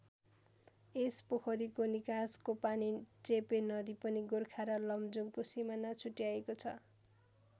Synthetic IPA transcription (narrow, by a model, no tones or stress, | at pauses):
espokʰʌɾikonikaskopanit͡sepenʌd̪ipʌniɡorkʰaɾalʌmd͡zumkosimanat͡sʰuʈjaekot͡sʰʌ